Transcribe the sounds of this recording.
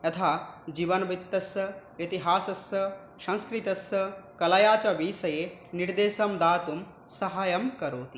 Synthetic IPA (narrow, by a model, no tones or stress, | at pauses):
jɐt̪ʰaːd͡ʒiːʋɐnɐbit̪ːɐsɐit̪iɦaːsɐsɐ | ʃɐ̃nskɾit̪ɐsɐkɐlɐjaːt͡ʃɐʋiːsɐjeniɾd̪eːsɐmd̪aːt̪um | sɐɦaːjɐmkɐɾoːt̪i